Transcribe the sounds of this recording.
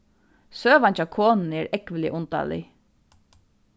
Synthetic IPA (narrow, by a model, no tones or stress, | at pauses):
søːʋant͡ʃakʰoːnn̩əɛːɾɛkʋɪlɪʔʊnt̪a̰lɪ̰